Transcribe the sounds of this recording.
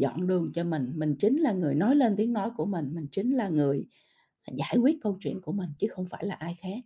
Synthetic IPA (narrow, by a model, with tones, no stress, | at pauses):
zɔ̰˧˨nɗɨ˨˩əŋt͡ɕɔ˧mï˨˩ŋ̟mï˨˩ŋ̟t͡ɕï˨˦ŋ̟laː˨˩ŋɨ˨˩əjnɔ˨˦jle˧nt̪i˨˦əŋnɔ˨˦jku˧˩əmï˨˩ŋ̟mï˨˩ŋ̟t͡ɕï˨˦ŋ̟laː˨˩ŋɨ˨˩əj | zaː˧˩jkwi˦˥ət̚kə˧wt͡ɕwḭ˧˨ənku˧˩əmï˨˩ŋ̟t͡ɕɨ˨˦xə˧wŋ͡mfaː˧˩jlaː˨˩ʔaː˧jxaː˦˥k̚